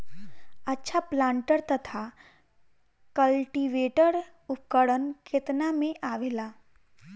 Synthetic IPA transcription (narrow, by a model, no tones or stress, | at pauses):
ɐtːʃʰaplãːɳʈəɾt̪ɐt̪ʰa | kəlʈiʋeːʈəɾ | ʊp̚kəɽənkʰɪt̪namẽʔaːʋeːlaː